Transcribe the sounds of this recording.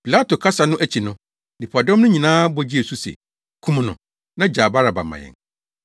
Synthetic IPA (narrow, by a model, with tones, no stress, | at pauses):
pi˨la˦to˨kʰa˦sa˨nʊ̃˦ʔæ˦t͡ɕʰi˨nʊ̃˦ | nĩ˨pʰa˨dɔ̃˦mnʊ̃˦ɲĩ˨nãː˦bɔ˦d͡ʑi˦e˨su˦sḛ˨ | kʰũ˦m˨nʊ̰̃˨ | nã˦d͡ʑaː˨ba˦ɾa˨ba̰˨mã̰˨jɛ̰̃˨ŋ